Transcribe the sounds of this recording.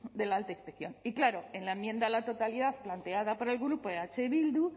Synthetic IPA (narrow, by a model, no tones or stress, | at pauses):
d̪e̞laalt̪aispekθjo̞niklaɾo̞enlaemjẽ̞nd̪alat̪o̞t̪aliðaθplant̪e̞aðapo̞ɾe̞lɣɾupoeat͡ʃe̞βild̪u